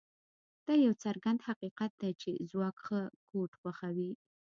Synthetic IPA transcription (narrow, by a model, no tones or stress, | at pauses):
d̪̥ɑjawt͡saɾɡand̪haqiqat̪̚d̪at͡ʃezwɑkxəkoʈxwaxawi